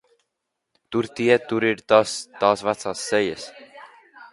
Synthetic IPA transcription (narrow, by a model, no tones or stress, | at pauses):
t̪uɾt̪iɛt̪uɾiɾt̪ast̪aːsvat̪saːsːɛjəs